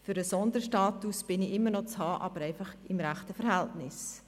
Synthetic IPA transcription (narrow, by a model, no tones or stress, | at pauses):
fʏɾəsɔnd̪əʃtɑːtusb̥ɪniɪmːəɾnɔt͡shɑːʔɑ̰b̥əɾɛɪfɑχɪmɾæχtəfəɾhɦæltnɪs